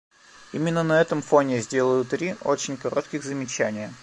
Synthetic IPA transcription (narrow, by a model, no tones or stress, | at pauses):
imʲɪnːənɐɛt̪əmfo̞nʲɪzʲdʲe̞lˠəjʊt̪ːɾʲiʔo̞t͡ɕɪnʲkɐɾo̞t̪kʲɪɣzəmʲɪt͡ɕænʲɪjə